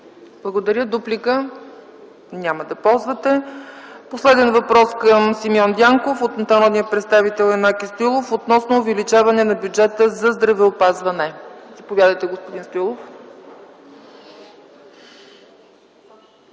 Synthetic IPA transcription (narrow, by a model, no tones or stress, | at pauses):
blˠɐɡod̪ɐɾʲjəd̪uplikə | nʲaməd̪ɐpɔlˠzvət̪ɛposlɛd̪ɛnvɐpɾɔskəmsimiɔnd̪ʲaŋkofot̪nt̪ɐɾɔd̪nijəpɾɛt̪st̪avit̪ɛlˠɛmakist̪oilˠofot̪nɔsnoːvɛlit͡ʃavɐnɛnɐbʲjud͡ʒɛt̪əzɐzd̪ɾɐvɛopazvɐnɛzɐpovʲjad̪əjt̪ɛɡospoʊd̪inst̪oilˠof